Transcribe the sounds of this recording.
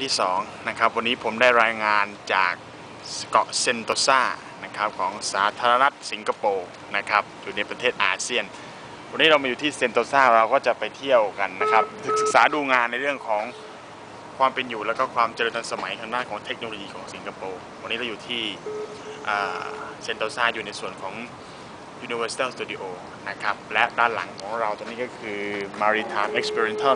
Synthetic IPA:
t̪ʰiː˥˩sɔː˩˦ŋna˦˥kʰa˦˥p̚wa˧nːiː˦˥pʰo˩˦mdaː˥˩jɾaː˧jŋaː˧nt͡ɕa̰ː˨˩k̚ | kɔ˨˩se˧nt̪oː˧saː˥˩ | na˦˥kʰa˦˥p̚kʰɔː˩˦ŋsaː˩˦t̪ʰaː˧ɾa˧na˦˥t̪̚si˩˦ŋkʰa˧poː˧ | na˦˥kʰa˦˥p̚juː˨˩na˧jpɾa˧t̪ʰeː˥˩t̪̚ʔaː˧si˥˩ən | wa˧nːiː˦˥ɾa˧wmaː˧juː˨˩t̪ʰiː˥˩se˧nt̪oː˧saː˥˩ɾa˧wkɔː˥˩t͡ɕa˨˩pa˧jt̪ʰi˥˩əwka˧nːa˦˥kʰɾa˦˥p̚sɯ˨˩k̚sɯ˨˩k̚saː˩˦duː˧ŋaː˧nːa˧jɾɯ˥˩əŋkʰɔː˩˦ŋ | kʰwaː˧mpe˧njuː˨˩lɛː˦˥wkɔː˥˩kʰwaː˧mt͡ɕɤː˧nt̪ʰa˧nsa˧ma˨˩˦jkʰa˧ŋdaː˥˩nkʰɔː˩˦ŋt̪ʰe˦˥k̚noː˧lo˧jiː˧kʰɔː˩˦ŋsi˩˦ka˧poː˧ | wa˧niː˦˥ɾa˧wjuː˨˩t̪ʰiː˥˩ | ʔəː˨˩se˧nt̪o˧saː˥˩juː˨˩na˧jsu˨˩ənkʰɔː˩˦ŋ | juː˧ni˧wɤː˧si̥˧t̪aː˥˩st̪uː˧di˧ʔoː˧ | na˦˥kʰɾa˦˥p̚lɛ˦˥ʔdaː˧˩nla̰˩˦ŋkʰɔː˩˦ŋɾa˧wt̪ɔ˧ŋniː˦˥kɔː˥˩kʰɯː˧maː˧ɾi˧t̪ʰaː˧mʔe˦˥k̚spʰi˧ɾi˧e˧nt̪ʰa˥˩

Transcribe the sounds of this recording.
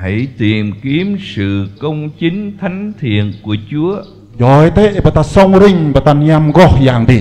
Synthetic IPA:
ha˧˩jt̪i˨˩əmki˨˦əmsɨ̰˧˨kə˧wŋ͡mt͡ɕi˨˦ŋ̟t̪ʰa˨˦jŋ̟t̪ʰḭ˧˨ənku˧˩ət͡ɕu˨˦ə | jɔ˨e˦t̪e˦ʔba˨t̪a˧sɔ˧ŋɾi˧ŋba˨t̪a˧nɲa˧mɣɔ˦˧˩hjaː˨ŋt̪i˧˩

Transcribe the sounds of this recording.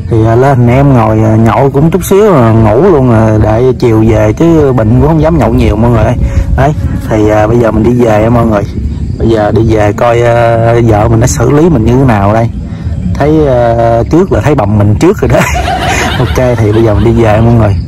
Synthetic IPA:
t̪ʰi˨˩əː˨˩lə˧n˨˩nʔɛ˧mŋo˨˩jə˨˩ɲɔ̰˧˨wkʊ̰˧˥ŋ͡mt͡ɕʊ˦˥k͡p̚si˨˦əwŋṵ˧˩lu˧ənː˨˩ɗḛ˧˩t͡ɕi˨˩əwve˨˩t͡ɕɨ˨˦˧ɓḭ̈˧˨ŋ̟kʊ̰˧˥ŋ͡mhə˧wŋ͡mzaː˨˦mɲə̰˧˨wɲi˨˩əwmu˧ŋo˨˩jʔə˧jʔə˨˧jt̪ʰi˨˩ʔəː˨˩ɓə˧jzəː˨˩mï˨˩ŋ̟ɗi˧ve˨˩ʔɛ˧mʔəː˧nŋɨ˨˩jɓə˧jzəː˨˩ɗi˧ve˨˩kɔ˧jːzə̰ː˧˨mï˨˩ŋ̟nɔ˨˦jsɨ̰˧˩li˨˦mï˨˩ŋ̟ɲɨ˧t̪ʰe˨˦naː˨˩wa˨˩ɗə˧j | t̪ʰə˨˦jːt͡ɕɨ˦˥ək̚laː˨˩t̪ʰə˨˦jɓa˨˩wŋ͡mmï˨˩ŋ̟t͡ɕɨ˦˥ək̚zə˨˩ɗə˨˦jʔo˧ke˧t̪ʰi˨˩ɓə˧jzəː˨˩mi˨˩n̟ɗi˧ve˨˩ʔɛ˧mʔəː˧nŋɨ˨˩j

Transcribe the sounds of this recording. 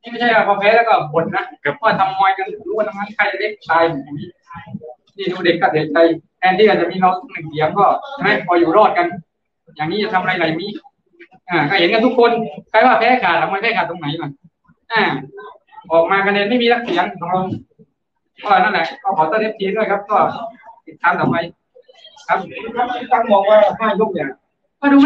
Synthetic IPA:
miː˥˩ma˥˩jt͡ɕʰa˥˩jwaː˧˩bʰɔː˧˩pʰɛː˦˥lɛː˦˧˥kɔː˥˩bo˨˦t̪̚na˦˧˥kɛ˨˩p̚ʰwaː˥˩t̪ʰa˧mːɔː˧jka˧n˨˩luː˧˦˥wna˧mʰa˧˥˩nkʰa˧˥˩jle˦˥k̚t̪aː˧ja˧˩miː˦˧˥ | t̪ʰiː˧˩duː˧de˨˩kːɔː˧˩de˨˩k̚t͡ɕa˧˩j | ɛː˧˩nt̪ʰiː˥˩a˧˩t͡ɕa˨ʔmiː˧ɾa˧wt̪ʰu˦˥k̚nɯ˨˩ŋsi˨˩˦əmkɔː˥˩˧na˧˥kʰɔː˨˦juː˨˩ɾɔː˧˥˩t̪̚ka˧n | jaː˨˩ŋniː˦˥t͡ɕa˨˩t̪ʰa˧m˧a˧jɾa˨˩jmiː˦˧˥ | ʔaː˧˩kɔː˥˩he˨˦nka˧t̪ʰu˦˥kʰːo˧nkaː˧jwaː˥˩pʰa˧˥ha˧˥˩jkʰaː˨˩t̪̚ʔa˨˦ma˧˥pʰaː˧˥˩kʰaː˨˩t̪ːo˧ŋna˨˦jla˧˩ | ʔaː˧˩ | ʔɔː˨˩k̚maː˧kʰa˧nɛː˧nma˥˩jmiː˧na˧˥k̚si˨˦ŋkɔ˨˧˦lo˧ŋʰ | a˧˩la˨˩na˥˩nlɛ˨˧˩ʔkɔː˥˩kʰɔː˨˦t̪ɔː˧˥˩nle˦˥p̚t̪ʰiː˧ɾu˥˩əjkʰa˦˥p̚kɔː˥˩t̪i˨˩t̪ʰːaː˧mt̪ɔː˨˩ma˧j | kʰa˦˥p̚ʰa˥˩˧ta˧˩ŋbɔː˨˩k̚waː˧˩˨haː˧˥˩jlo˧˥˩k̚lɯ˨˩ | kɔː˥˩duː˧

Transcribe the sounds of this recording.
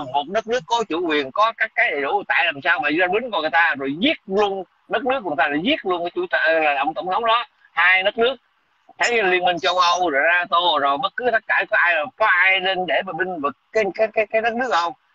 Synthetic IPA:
mo˨˩t̚ɗə˦˥t̚nɨ˦˥əkːɔ˨˦t͡ɕu˧˩kwi˨˩ənkɔ˨˦kaː˦˥kːaː˨˦jɗḛ˧˨ɗṵ˧˩t̪a̰ː˧˨jlaː˨˩msaː˧wmaː˨˩˧zaː˧˩ɓï˨˦ŋ̟kːŋɨ˨˩jt̪aː˧zo˨˩jzi˦˥ət̚lu˧ən | ɗə˦˥t̚nɨ˦˥k̚ːt̪aː˧aː˧˨˦jzi˦˥ət̚lu˧ə˧nkaː˨˦t͡ɕṵ˧˩t̪ə˧˨˩ə̰˧˨wŋ͡mt̪ə˧˩wŋ͡mt̪ʰə˨˦wŋ͡mɗɔ˨˦ | haː˧jnə˦˥t̚nɨ˦˥ək̚ | t̪ʰə˨˦jli˧ənmï˧ŋ̟t͡ɕə˧wʔə˧wzo˨˩jzaː˧t̪o˧˨˩zo˨˩jɓə˦˥t̚kɨ˨˦t̪ə˦˥t̚kaː˧˩kɔ˨˦ʔaː˧jo˨˩jkɔ˨˦ʔaː˧jɗe˧nɗe˧˩ɓaː˨˩ɓï˧ŋ̟vɨ˨˩k̚ːaː˨˦jkaː˨˦jkaː˨˦jkaː˨˦jnə˦˥t̚nɨ˦˥ək̚ʔə˧wŋ͡m

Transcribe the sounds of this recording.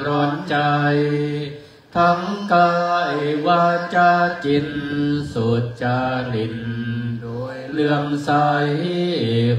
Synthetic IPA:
ɾɔː˧nt͡ɕa˧j | t̪ʰa˧˥ŋkaː˧˩waː˧˩t͡ɕa˧˩t͡ɕi˧nsu˨˩t̪̚t͡ɕaː˧li˧n | lɯ˧əmsaː˧ji˥˩

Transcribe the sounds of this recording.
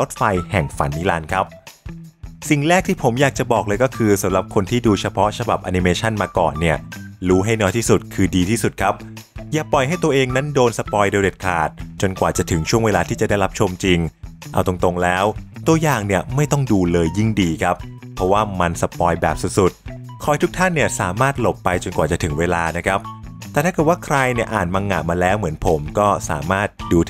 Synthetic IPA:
lo˦˥t̪̚fa˧jhɛ˨˩ŋfa̰˨˩˦nːi˦˥˩laː˧nkʰa˦˥p̚ | si˨˩ŋɾɛː˥˩k̚t̪ʰiː˥˩pʰo˩˦mjaː˨˩k̚t͡ɕa˨˩bɔː˨˩k̚lɤː˧jkɔː˥˩kʰɯː˧sa˨˩˦mɾa˨˩p̚kʰo˧nt̪ʰiː˥˩duː˧t͡ɕʰa˧pʰɔ˦˥t͡ɕʰa˧ba̰˨˩p̚ʔa˧ni˧meː˧t͡ɕʰa˥˩nmaː˧kɔ̰ː˨˩nːi˥˩ɐɾuː˦˥ɦa˥˩jnɔː˦˥jt̪ʰiː˥˩su˨˩t̪̚kʰɯː˧diː˧t̪ʰiː˥˩su˨˩t̪̚kʰa˦˥p̚ | jaː˨˩pɔ˨˩jɦa˥˩jt̪u˧ɐʔeː˧ŋna˦˥ndoː˧nsa˧pɔː˧jdeː˧wde˨˩t̪̚kʰa̰ː˨˩t̪̚t͡ɕo˧nkwaː˨˩t͡ɕa˨˩t̪ʰɯ˩˦ŋt͡ɕʰu˥˩əŋweː˧laː˧t̪ʰiː˥˩t͡ɕa˨˩da˥˩jla˦˥p̚t͡ɕʰo˧mt͡ɕi˧ŋʔa̰˧wt̪o˧ŋt̪o˧ŋlɛː˦˥wt̪u˧ɐjaː˨˩ŋni˥˩ɐma˥˩jt̪ɔ˥˩ŋduː˧lɤː˧jːi˥˩ŋdiː˧kʰa˦˥p̚ʰːɾɔ˦˥waː˥˩ma˧nsa˧pɔː˧jbɛː˨˩p̚su˨˩t̪̚su˨˩t̪̚ | kʰɔː˨˦jt̪ʰu˦˥k̚t̪ʰa˥˩nːi˥˩ɐsaː˩˦maː˥˩t̪̚lo˨˩pːa˧jt͡ɕo˧nkwaː˨˩t͡ɕa˨˩t̪ʰɯ˩˦ŋweː˧laː˧na˦˥kʰɾa˦˥p̚t̪ɛː˨t̪ʰa˥˩kɤː˨˩t̚wːkʰɾa˧jni˥˩ɐʔaː˨˩nmaː˧ŋːa̰˨˩t̚maː˧lɛː˦˥wmɯ˩˦ənpʰo˩˦mkɔː˥˩sa̰ː˩˦maː˥˩t̪̚duː˧

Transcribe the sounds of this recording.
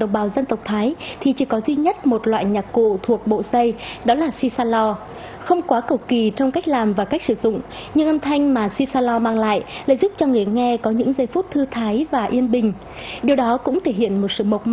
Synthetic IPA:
ɗə˨˧˨ŋ͡mɓaː˨˩wzə˧nt̪ə˨˩wk͡p̚t̪ʰaː˨˦jt̪ʰi˨˩t͡ɕi˧˩kɔ˨˦zwi˧ɲə˦˥t̚mo˨˩t̚lwa̰ː˧˨jɲaː˨˩p̚kṵ˧˨t̪ʰu˨˩ək̚ɓo̰˧˨sə˧jɗɔ˨˦laː˨˩si˧saː˧lɔ˧ | xə˧wŋ͡mkwaː˨˦kə˨˧˩wki˨˩t͡ɕɔ˧wŋ͡mka˦˥k̟̚laː˨˩mvaː˨˩ka˦˥jk̚sɨ̰˧˨˩zʊ̰˧˨ŋ͡m | ɲɨ˧ŋʔə˧mt̪ʰa˧jŋ̟maː˨˩si˧saː˧lɔ˧maː˧ŋla̰ː˧˨jla̰ː˧˨jzʊ˦˥p̚t͡ɕɔ˧ŋɨ˨˩əjŋɛ˧kɔ˨˦ɲɨ̰˧˥ŋzə˧jfu˦˥t̚t̪ʰɨ˧t̪ʰaː˨˦jvaː˨˩ʔi˧ənɓï˨˩ŋ̟ | ɗi˨˩əwɗɔ˨˦kʊ̰˧˥ŋ͡mt̪ʰe˧˩ɦḭ˧˨ənmo˨˩t̚sɨ̰˧˨mə˨˩k͡p̚

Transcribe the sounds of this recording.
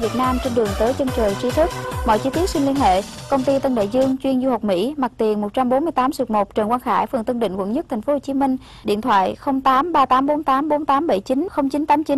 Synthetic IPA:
vi˨˩ət̚naː˧mt͡ɕe˧nɗɨ˨˩əŋt̪əː˨˦jt͡ɕə˧nt͡ɕəː˨˩jt͡ɕi˧t̪ʰɨ˦˥k̚mɔ̰˧˨jt͡ɕi˧t̪i˦˥ət̚swi˧ŋli˧ənhḛ˧˨kə˧wŋ͡mt̪i˧t̪ə˧nɗa̰ː˧˨jzɨ˧əŋt͡ɕwi˧ənzu˧hə˨˩wk͡p̚mḭ˧˥ma˨˩k̚t̪i˨˩ənmo˨˩t̚t͡ɕa˧mɓo˨˦nmɨ˧jt̪aː˨˦msɨ˨˩k̚mo˨˩t̚t͡ɕə˨˩nkwaː˧nxaː˧˩jfə̰˨˩ŋt̪ɨ˧ŋɗḭ̈˧˨ŋ̟kwə̰˧˩nɲə˦˥t̪ʰŋfo˨˦ho˨˩t͡ɕi˨˦mï˧ŋ̟ | ɗḭ˧˨ənt̪ʰwa̰ː˧˨jxə˧wŋ͡mt̪aː˨˦mɓaː˧t̪aː˨˦mɓo˨˦nt̪aː˨˦mɓo˨˦nt̪aː˨˦mɓə˧˩jt͡ɕi˨˦nxə˧wŋ͡mt͡ɕi˨˦nt̪aː˨˦mt͡ɕi˨˦

